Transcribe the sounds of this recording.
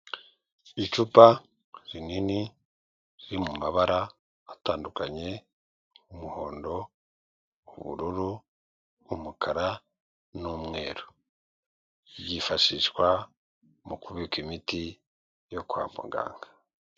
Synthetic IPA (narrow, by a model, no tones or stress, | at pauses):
it͡ʃupa | ɾinini | ɾiɾimumaβaɾaː | taːndukaɲe̞ | umuho̞ːndo̞ | uβṵɾuɾuː | mukʰaɾa | numŋe̞ːɾo | ɟifaʃiʃkwa | mukuβikimiti | jo̞kwa̰ːmbo̰ɡa̰ːŋɡa